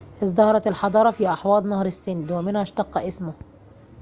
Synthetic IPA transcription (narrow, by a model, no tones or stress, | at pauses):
ʔɪzˤd̪ɑhɑɾˤɑt̪ɪlħɑd̪ˤɑːɾˤɑfiːʔɑħwɑːd̪ˤnɑhɾˤɪsːɪnd̪wɪmɪnhaʃt̪ɑqːɑʔɪsmʊ